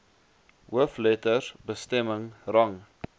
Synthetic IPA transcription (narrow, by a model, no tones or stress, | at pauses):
ɦuəflɛtərbəstɛməŋrɐŋ